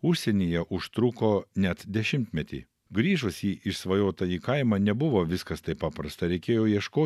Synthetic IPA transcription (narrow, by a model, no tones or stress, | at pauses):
ʊʃʲsʲɛnʲiːjɛʔʊʃt̪ɾʊkoːnʲɛt̪d̪ʲɛʃʲɪmʲt̪ʲmʲɛt̪ʲḭː | ɡɾʲiːʒʊsjiːʔɪʃsʋɐjoːt̪ɐjiːkɐɪmɑːnʲɛbʊʋoːʋʲɪskɐst̪ɐɪpɑːpɾɐst̪ɐɾʲɛɪkʲeːjoːjiɛʃkoː